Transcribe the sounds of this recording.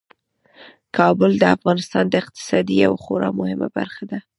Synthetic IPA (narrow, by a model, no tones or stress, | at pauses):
kʰɑbʊld̪əafɣɑnɪst̪ɑnd̪əɪq̚t̪ɪ̥sɑd̪ia̰wxoɾɑmʊhɪma̰ba̰ɾxad̪a